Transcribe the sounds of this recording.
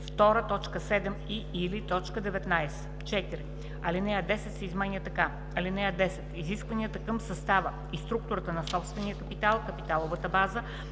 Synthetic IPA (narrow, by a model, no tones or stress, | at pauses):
ft̪ɔɾət̪ɔt͡ʃkəsɛd̪ɛmiilit̪ɔt͡ʃkəd̪ɛvɛt̪najsɛ̥ | t͡ʃɛt̪iɾi | ɐlinɛjəd̪ɛsɛt̪sɛizmɛnjət̪ɐka | ɐlinɛəd̪ɛsɛ̥t̪iziskvɐniət̪əkəmsɐst̪avə | ist̪ɾuk̚t̪ʊɾət̪ənɐsɔpst̪vɛnijəkəpit̪alˠkəpit̪alˠovət̪əbazə